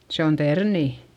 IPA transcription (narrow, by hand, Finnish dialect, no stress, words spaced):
se on terniˑ